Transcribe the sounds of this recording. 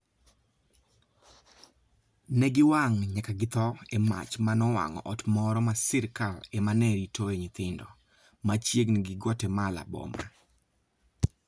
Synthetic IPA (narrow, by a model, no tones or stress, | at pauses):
nɛɡɪwaŋɲakaɡɪt̪ɔema̰t͡ʃmanɔwa̰ŋɔ̰ʔɔtmɔɾɔmasɪɾkalemanɛɾitʰɔeɲɪt̪ɪndɔ | mat͡ʃjeɡnɡɪɡwɔtɛmala̰bɔ̰ma̰